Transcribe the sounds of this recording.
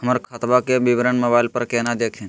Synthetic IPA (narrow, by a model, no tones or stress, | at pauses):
ɦəməɾkʰət̪ʋakeʋiʋɾəɳməbaːɪlpəɾkeːnad̪eːkʰin